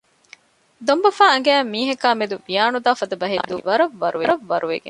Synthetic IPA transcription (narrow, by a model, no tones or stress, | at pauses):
d̪ombɐfaːɐŋɡæːmːiːɦɐkaːmed̪uʋijaːnud̪aːfɐd̪ɐbɐɦed̪uʋɐɾɐʋːɐɾuʋɐɾɐʋːɐɾuʋḛɡḛ